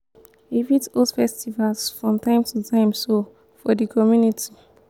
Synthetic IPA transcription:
ivitoldfɛstivalsfɹɔ̃mtãɪ̃mtʰutʰãɪ̃mso | fɔdikʰɔmjunitʰi̥

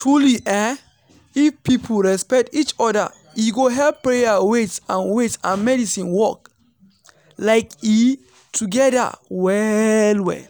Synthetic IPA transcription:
tɹuliʔɛ | ifpipʰolɹɛspɛk̚tit͡ʃɔda̰ | iɡoɦɛlpɹejawetsãnwetsãnmɛdisĩnwɔk̚ | laɪki | tʰuɡɛda̰wɛlwɛ̰l

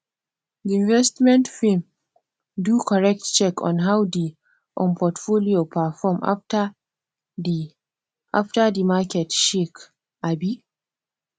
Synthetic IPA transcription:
diɪ̃nvɛstmɛ̃ntfim | dukɔɾɛk̚tt͡ʃɛkɔ̰̃nɦawdi | ʔɔ̰npʰɔtfolijopafɔmʔa̰t | ʔaftadimakɛtʃik | ʔabi

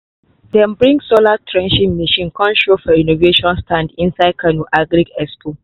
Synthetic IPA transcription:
dɛ̃nbɾĩŋɡsolatʰɾɛ̃nʃinmɛʃĩnkɔ̃nʃofɔinoveʃɔ̃nstʰãndɪ̃nsad̚kʰɐnuʔaɡɾiɡɛsko

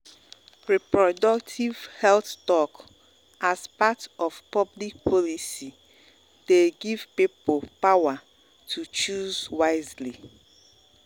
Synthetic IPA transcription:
ɹɛpɹɔdɔk̚tʰivhɛlθtɔk | azpatɔvpɔblik̚pʰɔlisi | d̥eɡiv̥pipolpawa | tʰut͡ʃuzwaɪzli

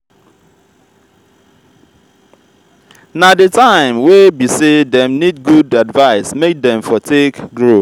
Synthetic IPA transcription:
nadɪtʰãɪ̃mwebisedɛ̃mnid̚ɡudadvaɪsmek̚dɛ̃mfɔtʰekɡɾo

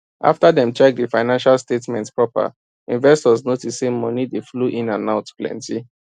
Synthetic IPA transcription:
ʔa̰ftadɛ̃mt͡ʃɛk̚difaɪnãnʃalstetmɛ̃ntpɹɔpa̰ | ĩnvɛstɔznotissemɔnidefluʔĩnãnaʊtplɛ̰̃nti

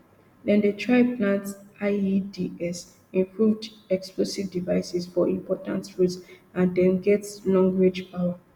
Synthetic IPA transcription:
dɛ̃ndətʰɹaɪpʰlãntaɪidiɛs | ĩmpʰɹuvdɛksplosivdivaɪsisfɔʔĩmpɔtã̰ntɹutsãndɛ̃mɡɛtslɔ̃ŋɡwed͡ʒpawa

